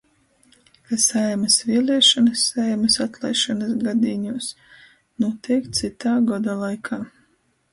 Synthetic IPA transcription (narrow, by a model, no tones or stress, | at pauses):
kasɛjmɐsviɛlˠʲiɛʃanɐsːɛjmɐsat̪lˠɛjʃanɐs̬ɡad̪iɲuːs | nuɔt̪iɛkt̪sit̪aːɡɔd̪alˠajkʰaː